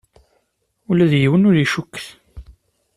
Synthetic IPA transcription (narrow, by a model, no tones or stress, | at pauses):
ulæðjiwənʊɾiʃukːθ